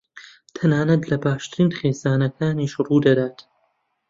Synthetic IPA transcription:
t̪ʰɐnaːnɐt̪lɐbaːʃt̪ɨɾiːnχeːzaːnɐkʰaːniʃruːd̪ɐd̪aːt̪

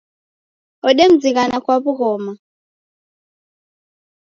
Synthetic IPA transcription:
ɔɗem̩d͡zik̬anakwaβuɣɔːma

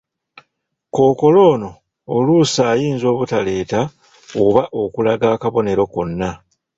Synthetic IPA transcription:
ko̞ːko̞lo̞ːno̞ː | luːsaːjiːnzo̞ːβutale̞ːta | oβaʔo̞kulaɡaːkaβo̞ne̞ɾo̞ko̞nːa

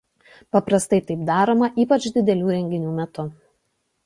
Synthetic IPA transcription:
pɐpɾɐst̪ɐɪt̪ɐɪpd̪ɑːɾoːmɐʔiːpɐt͡ʃd̪ʲɪd̪ʲɛlʲuːɾʲɛŋʲɡʲɪnʲuːmʲɛt̪ʊ

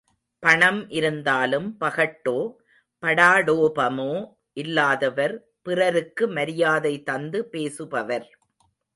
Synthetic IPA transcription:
pɐɳɐmʔɪɾɯnd̪aːlɯmpɐɣɐʈːoː | pɐɽaːɽoːpɐmoː | ʔɪlːaːðɐʋɐɾ | pɪrɐɾɯkːɯmɐɾɪjaːðɐɪt̪ːɐnd̪ɯpeːsɯpɐʋɐɾ

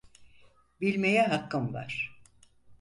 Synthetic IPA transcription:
bilʲmejɛɦakːɯmva̰ɾ̥

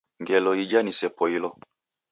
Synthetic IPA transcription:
ŋɡɛlɔid͡ʒanisɛpɔilɔ

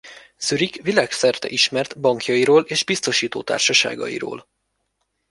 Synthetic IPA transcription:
syɾikʋilaːksɛrt̪ɛ̰ʔiʃmɛrt̪bɒŋkjɒiɾoːleːʒbist̪o̞ʃiːt̪o̰ːt̪a̰ːrʃɒʃa̰ːɡɒ̰jḭɾo̰ːl

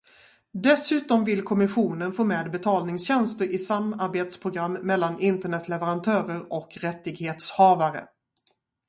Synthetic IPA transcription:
d̪ɛsʉ̟ːt̪ɔmvɪlkʰɔmɪɧuːnənfoːmeːd̪bɛt̪ʰɑːlnɪŋsɕɛnst̪əɾʔɪsamːaɾbeːt̪spʰɾʊɡɾamːɛlːanɪnt̪əɳɛt̪lɛvəɾant̪ʰœːɾəɾɔkɾɛt̪ːɪɡheːt̪shɑːvaɾə̰

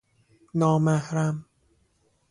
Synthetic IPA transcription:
nɔːmahɾam

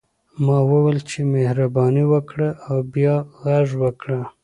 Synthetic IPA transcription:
mɑwəwelt͡ʃemehɾabɑniwəkɽaʔawbjɑɣaʐwəkɽa

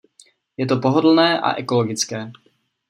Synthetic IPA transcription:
jɛt̪o̞poɦodl̩nɛːʔa̰ʔɛko̞loɡɪt͡skɛː

